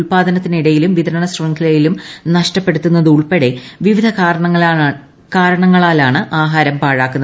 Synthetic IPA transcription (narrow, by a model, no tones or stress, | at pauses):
ɭpaːd̪ʱɐnɐt̪ːiniɽɐjilumʋid̪ɐɾɐɳɐsroŋkʰilɐjilumnɐʂʈɐpːe̞ɽut̪ːunːɐðɨuɭpeɽe̞ʋiʋid̪ʱɐkːɾɐɐŋːɐ | kaːɾɐɳɐŋːɐɭaːlaːɳɨʔaːɦaːɾɐmpaːɻaːkːunːɐ